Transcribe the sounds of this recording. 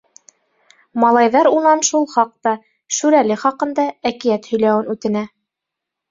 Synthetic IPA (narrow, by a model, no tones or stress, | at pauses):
mɑlˠɑjðɑɾunɑnʃulˠχɑq̚t̪ɑ | ʃʉɾælɘχɑqɤ̆nd̪ɑækijæt̪hɵ̆jlæwɘnʉt̪ɘ̆næ